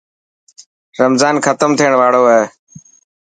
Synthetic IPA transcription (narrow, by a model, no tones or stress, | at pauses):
ɾəmzaːnxʰət̪əmt̪ʰiːəɳ̃ʋaːɽoːəɦeː